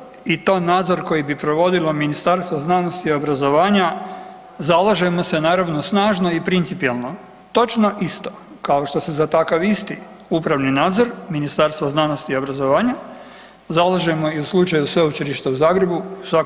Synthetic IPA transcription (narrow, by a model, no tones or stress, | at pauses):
it̪o̞ːnaːd̪zo̞ɾko̞jibipɾo̞ʋo̞d̪ilˠo̞minist̪aɾst̪ʋoznano̞st̪io̞bɾazo̞ʋaːɲa | zalˠaʒemo̞se̞naːɾaʋnosnaːʒno̞ipɾint̪sipijelˠno̞ | t̪o̞t͡ʃno̞ʔist̪o̞̥ | kao̞ʃt̪o̞sezat̪akaʋist̪i | upɾaʋninaːd̪zo̞ɾminist̪aɾst̪ʋoznanost̪iːo̞bɾazo̞ʋaːɲa | zalaʒemo̞iuslˠut͡ʃajusʋeut͡ʃeliʃt̪euzaːɡɾe̞buiusʋa